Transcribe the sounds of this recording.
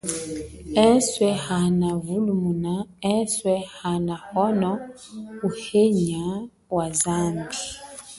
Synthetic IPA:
ɛswɛhanavulumunaɛswɛhanahɔnɔ | uheɲa | wazandi

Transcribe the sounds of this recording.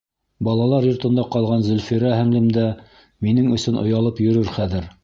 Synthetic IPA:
bɑlˠɑlˠɑɾjŏɾt̪ɤ̆nd̪ɑqɑlˠʁɑnzɵ̆lfiɾæhæŋlɘ̆md̪æ | minɘŋɵ̆sɵnŏ̰jɑlˠɤpjɵ̆ɾɵɾχæðɘɾ

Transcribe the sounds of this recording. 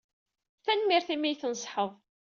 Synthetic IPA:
θænmiɾθimijθənsˤħəðˤ

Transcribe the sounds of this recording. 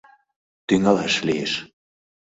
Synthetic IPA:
t̪yŋɑlæ̰ʃlieʃ

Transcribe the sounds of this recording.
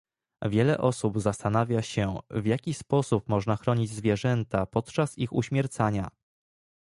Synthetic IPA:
vʲjɛlɛ̰ʔɔsubzast̪anavʲjaɕɛvjakʲispɔsup̚mɔʐnaxɾɔɲid͡ʑzvʲjɛʐɛnt̪apɔt̪t͡ʂasixuɕmʲjɛɾt̪saɲa

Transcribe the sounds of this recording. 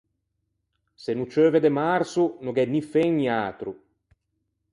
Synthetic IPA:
senut͡ʃøːved̪emaɾsunuɡɛnifɛŋniaːt̪ɾu

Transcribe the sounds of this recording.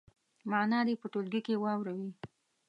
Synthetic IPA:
mɑnɑd̪epəʈolɡikewɑwɾawi

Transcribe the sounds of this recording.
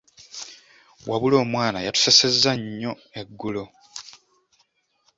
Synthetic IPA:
wʔaβulo̞ːmwaːnajatu̥se̞se̞zːaɲːo̞ | e̞ɡːulo

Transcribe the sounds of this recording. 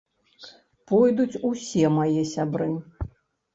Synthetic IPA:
pɔjd̪ut͡sʲusʲɛmajɛsʲabɾɨ

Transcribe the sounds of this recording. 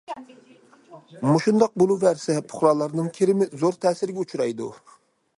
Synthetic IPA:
moʃund̪ɑq̚bolˠuvæɾsɛpʰʊ̥χlˠɑːlˠːɑɾnɨŋkʲʰeɾɪmɪzoɾt̪ʰɛːsɪɾɪɡʲɛut͡ʃʰɾɑjd̪u

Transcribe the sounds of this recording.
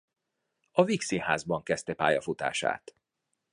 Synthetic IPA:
ɒviksihaːzbɒŋkɛst̪ɛpa̰ːjɒfut̪a̰ːʃa̰ːt̪

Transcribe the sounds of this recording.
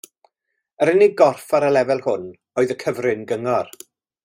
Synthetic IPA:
əɾəniɡɔrfaɾəlɛvɛlˠhʊn | ɔːɨðəkʰəvrɪnɡəŋɔr

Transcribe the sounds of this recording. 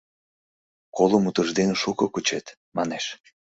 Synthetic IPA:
koləmut̪əʒd̪eneʃukɤkut͡ɕet̪ | mɑneʃ

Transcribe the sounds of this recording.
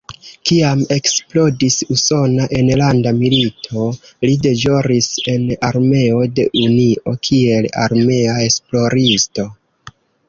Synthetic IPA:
kiame̞ksplo̞disuso̞naʔe̞nlandamilitʰo̞lide̞d͡ʒo̞ɾise̞naɾme̞o̞de̞ʔunio̞kʰie̞la̰ɾme̞ae̞splo̞ɾisto̞

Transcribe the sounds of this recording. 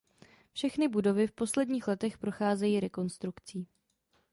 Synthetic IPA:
fʃɛxnɪbudo̞vɪfpo̞slɛdɲiːxlɛt̪ɛxpɾo̞xaːzɛjiːɾɛko̞nst̪ɾukt͡siː

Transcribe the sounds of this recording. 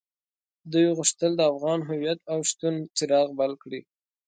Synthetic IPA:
d̪ujɣʊʂt̪əld̪əafɣɑnɦʊwijat̪̚awʃt̪unt͡sɪɾɑɣbalkɽi

